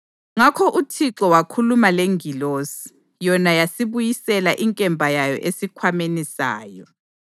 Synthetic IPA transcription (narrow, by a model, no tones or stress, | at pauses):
ŋakʰɔʔutʰiǁɔwakʰulumaleŋʱilosi̥ | jɔnajasiβujisɛlaʔiŋkʼɛmbʱajajɔ̰ʔesikʰwamenisa̰ːjɔ